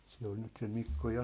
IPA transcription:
se ol nyt se mikːo jɑ

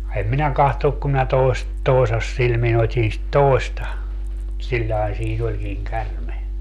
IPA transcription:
em minæ kɑhtonuk kum minæ toest toesɑsːilmin otʲin sit toˑestɑ silʲːɑe siːn olʲkiŋ kærme

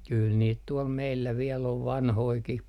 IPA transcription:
kyl niːt tuɔl meilːæ ʋiel oʋ ʋɑnhoikih

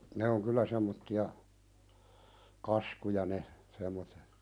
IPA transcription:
ne oŋ kylːæ semːotːiɑ kɑskujɑ ne semˑotːe

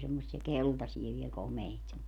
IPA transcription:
semːosːiɛ keltɑsie ʋiel komeit

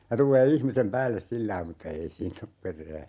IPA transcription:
jɑ tulˑeː ihmisem pæːlːes silːɑi mutːɑ ei siːn op perˑæː

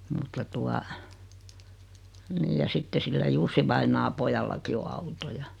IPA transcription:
mutːɑ tuɑ niːj jɑ sitːe silːæ jusːiʋɑinɑː pojɑlːɑki o ɑuto jɑ

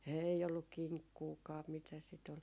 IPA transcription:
ei olːuk kiŋkːuːkɑː mitæ sit ol

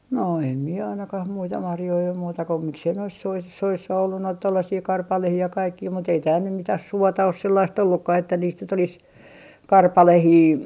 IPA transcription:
no em mie ɑinɑkɑh muitɑ mɑrjoi om muːtɑ ko miksei nois sois soisːɑ olːu noit tolːɑsiː kɑrpɑlehiː jɑ kɑikːiː mut ei tæːl nym mitæh suotɑ os selːɑist olːukːɑh etːæ niːst nyt olis kɑrpɑlehiː

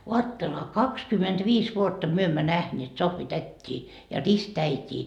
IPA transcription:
oɑtːelehɑ kɑkskymentʋiːs ʋuotːɑ myø emːæ næhneːt sohʋitætʲːiː jɑ ristæitʲiː

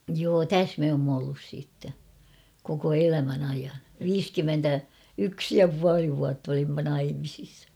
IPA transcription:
joː tæs me oːmː olːus siːtːe koko elæmæn ɑijɑn ʋiːskymːentæ yks jɑ puɑli ʋuɑtː olimːɑ nɑimisis

